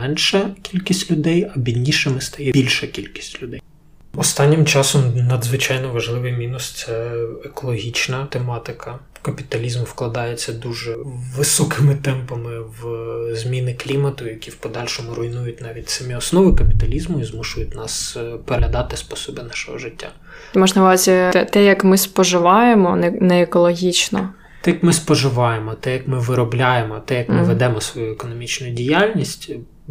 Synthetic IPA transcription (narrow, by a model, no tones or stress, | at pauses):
mɛnʃɐkʲilʲkʲisʲtʲlʲʊd̪ɛjɐbʲid̪ʲnʲiʃɪmɪst̪ɐjɛbʲilʲʃɐkʲilʲkʲi̥sʲtʲlʲʊd̪ɛjj | ɔst̪ɑnʲːɪmt͡ʃɑsɔmnɐd̪zʋɪt͡ʃɑjnɔʋɐʒlˠɪʋɪjmʲinʊst̪sɛekɔlˠɔɦʲit͡ʃnɐt̪emɑt̪ɪkʰɐ | kɐpʲit̪ɐlʲizmfklˠɐd̪ɑjet͡sʲːɐd̪uʒɛʋɪsɔkɪmɪt̪ɛmpɐmɪʋzmʲinɪklʲimɐt̪ʊjɐkʲiwpɔd̪ɑlʲʃɔmʊɾʊjnujʊt̚ʲnɑʋʲit̚ʲsɐmʲiɔsnɔʋɪkɐpʲi̥t̪ɐlʲizmʊizmuʃʊjʊt̚ʲnɑspɔɾʲɐd̪ɑt̪ɪspɔsɔbɪnɑʃɔɦɔʒɪtʲːa̰ | mɔʒnɐʋɾzʲiɛt̪ɛjɐkmɪspɔʒɪʋɑjemɔnɛnɛːkɔlˠɔɦʲit͡ʃnɔ̰ | t̪ɛjɐkmɪspɔʒɪʋɑjemɔt̪ɛjɐkmɪʋɪɾɔblʲajemɔt̪ɛjɐkmɪʋɛd̪ɛmɔsʋɔjuɛkɔnɔmʲit͡ʃnʊjʊdʲijalʲnʲisʲtʲ